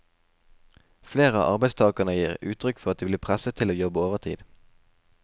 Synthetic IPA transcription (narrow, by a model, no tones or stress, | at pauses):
fleːʁəɑ̰ʔɑʁbæɪst̪ʰɑːkənəjiːʁʉ̰ːt̪ʰʁʏkfɔʁɑt̪̚d̪iːʋliːpʰʁæsət̪ʰɪloːjɔbəoːʋəʁt̪ʰḭːd̪̥